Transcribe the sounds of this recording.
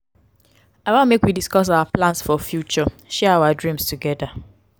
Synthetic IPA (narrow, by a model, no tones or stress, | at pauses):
aɪwãmekwidiskɔs̬awaplãnsfɔfjut͡ʃɔ | ʃɛɹaʊadɹĩmstuɡɛda